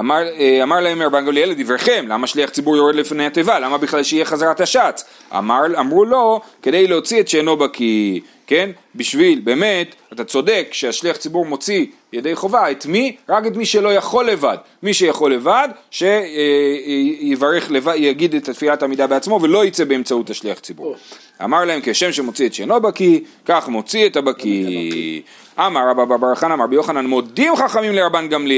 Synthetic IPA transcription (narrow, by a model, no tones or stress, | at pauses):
amaeamaʁlaemeʁbanɡaljeledivʁeχe̞mlamaʃliaχt͡sibuʁjo̞ʁedlifnejhatevalamabiχlalʃeijeχazaʁataʃat͡s | a̰maʁamʁulo̞ke̞dejleo̞t͡sietʃeno̞bakʰi | ke̞n | biʃvilbe̞ːme̞tatat͡so̞de̞kʃeaʃliaχt͡sibuʁmo̞t͡si | jede̞jχo̞vaet̪miʁake̞tmiʃe̞lo̞jaχo̞lːe̞vad | miʃejaχo̞lːe̞vadʃe̞ | jevaʁeχle̞vajaɡidet̪atfiatamidabeat͡smo̞velo̞it͡sebeemt͡sautaʃliaχt͡sibṵʁ | a̰maʁlaemkeʃe̞mʃemo̞t͡sietʃḛnobaki | kaχmo̞t͡sietabaki | ʔamaʁabababaʁaχanamaʁbijo̞χananmo̞d̪imχaχamimleʁabanɡamli